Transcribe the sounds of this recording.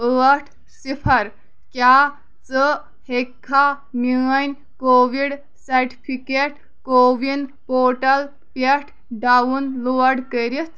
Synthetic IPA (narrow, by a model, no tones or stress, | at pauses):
əːɐʈʰ | sipʰɐɾ | kjaː | t͡sə | hekʰːa | miːɐnʲ | koːʋiɽ | sɐɾʈi̥pʰikeʈ | koːʋinpoːʈɐl | peʈʰ | ɖawunloːɐɖkəɾit̪